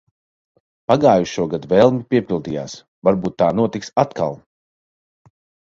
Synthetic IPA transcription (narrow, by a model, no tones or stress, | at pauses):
paɡaːjuʃuɔɡad̪vɛlˠmipʲiɛpʲilˠd̪iːja̰ːs | vaɾbuːt̪ːaːnuɔt̪iksat̪kʰa̰lˠ